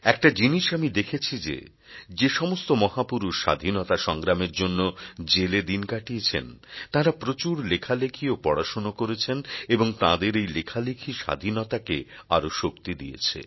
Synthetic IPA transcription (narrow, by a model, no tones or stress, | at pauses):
ɛk̚ʈad͡ʑiniʃamid̪ekʰet͡ɕʰid͡ʑḛ | d͡ʑeʃɔmost̪omɔɦapuɾuʃːa̰d̪ʱinot̪aʃɔŋɡɾameɾd͡ʑonːod͡ʑeled̪inkaʈiet͡ɕʰḛnt̪ãɾapɾot͡ɕuɾlekʰalekʰiopɔɽaʃonokoɾet͡ɕʰeneboŋt̪ãd̪eɾejlekʰalekʰiʃa̰d̪ʱinot̪akeaɾoʃokt̪id̪ijḛt͡ɕʰḛ